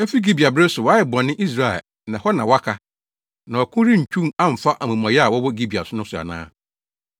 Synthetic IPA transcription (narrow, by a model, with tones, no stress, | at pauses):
ɛ˦fi˦ɡi˦bi˨a˨bɾɪ˦sʊ˨wa˦ɪ˨bɔ̃˨nːɪ̃˦ʔi˦s̬ɾa˦˨ɛ̰˨ | nã˨hɔ˦nã˨wa˦kʰa˦ | nã˨ɔ˨kʰʊ̃˦ɾi˦ɲ̩˨t͡ɕʰᶣũ˦a˦m̩˨fa˦ʔmũ˨mã˨jɛ˦a˨wɔ˦wɔ˦ɡi˦bi˨a̰˨sʊ˦nʊ̃˦sʊ˨a̰˨nã̰ː˦